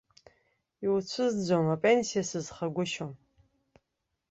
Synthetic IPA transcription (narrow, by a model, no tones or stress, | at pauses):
iwt͡ɕʷʰɨzd͡zʷomapʼensijasɨzχaɡʷʊʃom